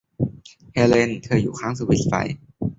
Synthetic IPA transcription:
hɛː˧le˧nt̪ʰɤː˧˩juː˨˩kʰaː˦˥ŋsuː˧wi˦˥˩t̪̚fa̰˧˩j

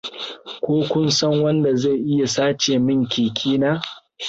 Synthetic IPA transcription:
kʷoː˦kʷʊ˦nsɐ˦ŋwɐ˦nda˨za˦˨ʔɪ˦ja˨saː˦t͡ʃeː˨mɪ˦˨ŋkʲiː˨kʲʰiː˦naː˦

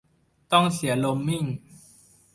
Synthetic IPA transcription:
t̪ɔ˥˩ŋsi˩˦ɐlo˧mːi˥˩ŋ

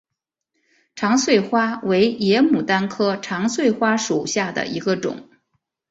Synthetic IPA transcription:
ʈ͡ʂʰɑ˧˥ŋswe˥˩ɪxwa˥we˧˥ɪjɛ˧˥mu˨˩t̪a˥nkʰɤ˥ʈ͡ʂʰɑ˧˥ŋswe˥˩ɪxwa˥ʂu˨˩ɕja˥˩d̪ə̰˩ʔi˧˥ɡə˧ʈ͡ʂʊ̰˨˩˦ŋ

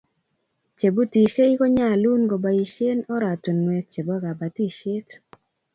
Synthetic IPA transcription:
t͡ʃe˨bo˦ti˨ʃe˦i˦kɔ˦ɲa˦˨lu˦nɡo˨ba˨i˨ʃe˦nɔ˦ɾa˨to˨nwɛ˨t̚t͡ʃe˨bo˦ɡa˨ba˨ti˦ʃe˦t

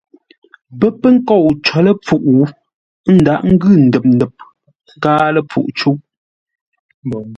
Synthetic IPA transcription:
bə˦pə˦ŋ̩˦kɔ˦˨wt͡ʃɔ˨lə˦p͡fu˦ʔwu˨˦ | n̩˦da˨˦˨ʔŋ̩˦ɡʉ˦˨n̩˨dɛ˨p̚n̩˨dɛ˨p̚ | ŋ˦kaː˦lə˦p͡fṵ˦˨ʔt͡ʃu˦ʔ

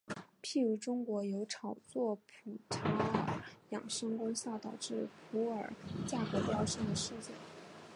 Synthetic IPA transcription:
pʰi˥˩ɻu˧˥ʈ͡ʂʊ˥ŋkwɔ˧˥jo˧˥ʊʈ͡ʂʰɑ˨˩ʊt͡swɔ˥˩pʰu˨˩ʈ͡ʂʰa˧˥ə˨˩jɑ˨˩ŋʂɤ˥ŋkʊ˥ŋɕjɑ˥˩ʊt̪ɑ˨˩ʊʈ͡ʂɻ̩˥˩pʰu˧˥ə˞˨˩t͡ɕja˥˩kɤ˧˥pjɑ˥˧ʊʂɤ˥˩ŋd̪ə˩ʂɻ̩˥˧t͡ɕɛ̰˥˩n

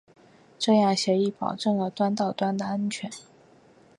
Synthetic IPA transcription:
ʈ͡ʂɤ˥˧jɑ˥˩ŋɕjɛ˧˥i˥˩pɑ̰˨˩ʊʈ͡ʂɤ˥˩ŋlə˩t̪wa˥nt̪ɑ˥˩ʊt̪wa˥nd̪ə˨a˥nt͡ɕʰɥɛ˧˥n

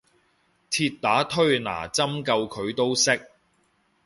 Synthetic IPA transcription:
t̪ʰiː˧t̪̚t̪aː˨˥t̪ʰɵ˥ɥna̰ː˨˩t͡sɐ˥mkɐ˧wkʰɵ˨˧ɥt̪o˥wsɪ˥k̚

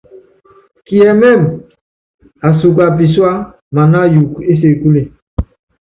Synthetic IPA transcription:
ki˨ɛ˨mɛ˦˨m | a˨su˨k̬a˨p̬i˨swa˦ | ma˨na˦ju˨ke˦s̬e˨ku˦le˨

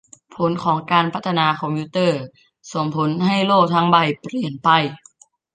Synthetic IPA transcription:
pʰo˨˦nkʰɔː˩˦ŋkaː˧npʰa˦˥t̪ʰːa˧naː˧kʰɔ˧mpʰu˧˦˥t̪ɤː˥˩ | so˩˦ŋpʰo˨˩˦nɦa˥˩jloː˥˩k̚t̪ʰaː˧˥ŋba˧˩jpɾi˨˩ənpa˧˩j

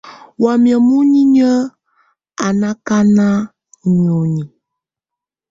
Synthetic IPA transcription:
wa˨mjə˨mu˦ɲi˦ɲə˦ | a˨na˦ka˦na˦˨ | ɲ˨o˨ɲi˨

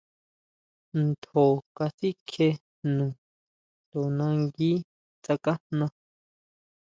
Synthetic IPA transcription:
nd̪o˨ka˧si˦kʰe˧ | nũ˨ | t̪o˨nã˧ŋɡi˦ | t͡sa˧ka˦hnnã˧

